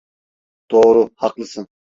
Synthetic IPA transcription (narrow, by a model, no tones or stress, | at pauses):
t̪oʁɾʊhɑqlˠɨsɨn